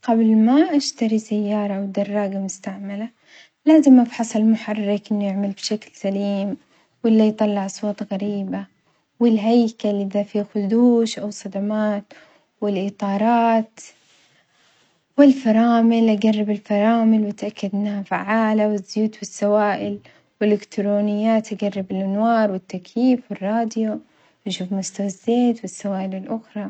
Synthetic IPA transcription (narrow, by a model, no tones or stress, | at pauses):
ɡablmaʔaʃt̪aɾisajːɑːɾˤɑwd̪ɑrˤːɑːɡamʊst̪aʕmala | laːzɪmːabħɑsˤɑlmʊħɑrˤːɪkʔɪnːujɪʕmɪlbʃaklsaliːm | wɪlːajt̪ˤɑlːɪʕʔɑsˤwɑːt̪ˤɣaɾiːba | wɪlɦajkalɪðafixʊd̪uːʃʔawsˤɑd̪amaːt̪ | wɪlʔɪt̪ˤɑːɾˤɑːt̪ | wɪlfɑɾˤɑːmɪlʔaɡarːɪbɪlfɑɾˤɑːmɪlwɪt̪ʔakːad̪nafaʕːaːlawɪzːjuːt̪bɪsːawaːʔɪl | wɪlɪkt̪ɾoːnɪjːaːt̪ʔaɡarˤːɪbɪlʔanwɑːɾˤwɪt̪ːakjiːfwɪrˤːɑːd̪jo | ʔaʃuːfmʊst̪awɪzːeːt̪wɪsːawaːʔɪlɪlʔʊxɾˤɑ